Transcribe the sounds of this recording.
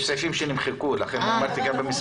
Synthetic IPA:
ʃsafimʃenimχekulaχenamaɾt̪iɡabemis

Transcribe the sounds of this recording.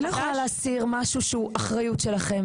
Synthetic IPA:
iχonaleasiʁmaʃuʃuʔaχʁajutʃelaχe̞m

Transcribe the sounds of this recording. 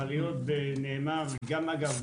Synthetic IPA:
alijot̪̚beneːmaʁɡamaɡav

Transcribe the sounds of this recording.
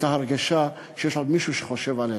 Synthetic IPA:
t̪aɦaʁɡaʃa | ʃejeʃod̪miʃuʃe̥χoʃevale

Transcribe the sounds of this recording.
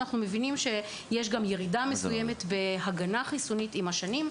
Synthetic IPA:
aχnume̞vinimʃe̞ | jeʃ̬ɡamje̞ʁidamesuje̞me̞tbe̞ɦaɡanaχisonitimaʃanim

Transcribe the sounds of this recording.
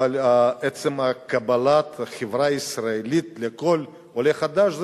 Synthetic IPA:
alʲaet͡semakabɐlat̪χevɾaisraelit̪lekol | oleχad̪aʃz

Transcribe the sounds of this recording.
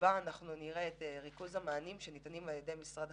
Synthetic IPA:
baːnaχnuniʁeeteʁikuzhamaːnimʃenitanimaljedejmisʁad

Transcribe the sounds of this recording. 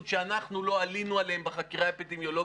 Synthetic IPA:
ʃeanaχnulo̞alinualehembeχakiʁaapedemjo̞lo̞

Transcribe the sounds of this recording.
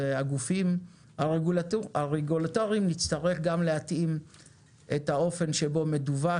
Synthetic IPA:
aɡufim | aʁeɡulaaʁeɡulatoʁiimlit͡staʁeχɡamleatim | ʔethao̞fe̞nʃebo̞me̞duva

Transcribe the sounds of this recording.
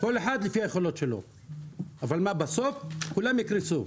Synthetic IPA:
ko̞leħad̪lifiajeχo̞lot̪ʃe̞lo̰ | avalmabasofkulamjikɾisu

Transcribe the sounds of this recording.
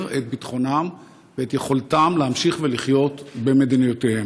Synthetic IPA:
ʁet̪̚bit̪χo̞nam | veet̪jeχo̞lt̪amlehamʃiχveliχjo̞t̪be̞me̞d̪inujot̪ehem

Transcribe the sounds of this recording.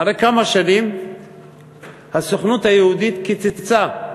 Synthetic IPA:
aʁejkamaʃanim | hasoχnut̪hajeud̪it̪kit͡sit͡sa

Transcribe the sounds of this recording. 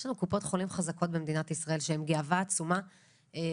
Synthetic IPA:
ʃlanukupo̞tχo̞limχazako̞t̚bemed̪inatisʁae̞lʃehemɡeavaːt͡suma | e

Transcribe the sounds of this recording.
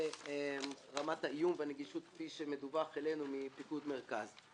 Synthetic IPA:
emʁamataijumveaneɡiʃut̪̚kfiʃemedubaχele̞numipikud̪meʁkaz

